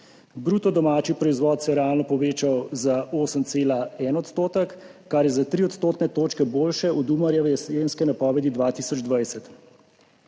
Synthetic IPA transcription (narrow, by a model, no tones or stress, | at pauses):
bɾuːt̪ɔd̪ɔmaːt͡ʃipɾɔizʋɔːt̪sɛjɛɾɛaːlnɔpɔʋeːt͡ʃawzaoːsəmt̪seːlaɛnɔt̪st̪oːt̪əkːaɾjɛzat̪ɾiɔt̪st̪oːt̪nɛt̪oːt͡ʃkɛboːlʃɛud̪umaɾjaʋɛslenskɛnapɔːʋɛd̪id̪ʋaːt̪iːsɔd͡ʒd̪ʋajsɛt̪